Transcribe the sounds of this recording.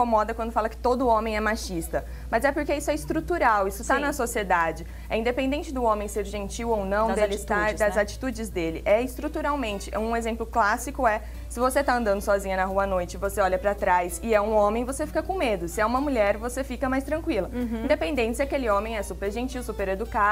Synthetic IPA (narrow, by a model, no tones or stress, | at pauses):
komɔd̪ɐkwɐ̃nd̪ʊfalɐkɪ̥t̪od̪ʊõmẽj̃ɛmaʃist̪ɐ | mɐzɛpoɾkeisʊɛɪst̪ɾut̪uɾawisʊt̪anɐsosied̪ad͡ʒɪ | ɛĩd̪epẽnd̪ẽnt͡ʃɪd̪ʊõmẽj̃seɾʒẽnt͡ʃiwownɐ̃w̃d̪elɪt̪ad̪ɐzzat͡ʃi̥t̪ud͡ʒɪzd̪elɪʔɛɪst̪ɾut̪uɾawmẽnt͡ʃɪʔɛũezẽmplʊklasikʊɛ | sɪvoset̪aɐ̃nd̪ɐ̃nd̪ʊsɔzĩɲɐnɐɦuɐanojt͡ʃɪvoseɔʎɐpɾɐt̪ɾajsɪɛũõmẽj̃vosefi̥kɐkõmed̪ʊsɪɛũmɐmuʎɛɾvosefikɐmajst̪ɾɐ̃kwilɐĩd̪epẽnd̪ẽt͡ʃɪsɪakelɪõmẽj̃ɛsupeɾʒẽnt͡ʃiwsupeɾed̪uka